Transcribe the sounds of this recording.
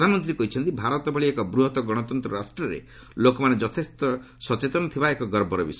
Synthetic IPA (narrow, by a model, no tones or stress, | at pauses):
d̪ʱanɔmɔnt̪ɾiekɔɦit͡ʃʰɔnt̪ibʱaɾɔt̪ɔbʱɔɭiekɔbɾuɦɔt̪ɔɡɔɽ̃ɔt̪ɔnt̪ɾɔɾasʈɾɔɾḛ | lokɔmaned͡ʒɔt̪ʰest̪ɔ | sɔt͡ʃet̪ɔnɔt̪ʰibaekɔɡɔɾbɔɾɔbis